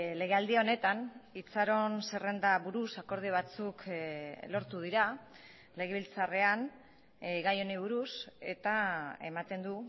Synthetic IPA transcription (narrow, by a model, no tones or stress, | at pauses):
le̞ɣ̞e̞ald̪ione̞t̪anit͡saɾo̞nse̞re̞nd̪aβuɾusako̞ɾð̞iβ̞at͡suklo̞ɾt̪uð̞iɾa | le̞ɣ̞e̞β̞ilt͡sare̞an | ɣajo̞niβ̞uɾuse̞̰t̪ae̞̰mat̪e̞nd̪u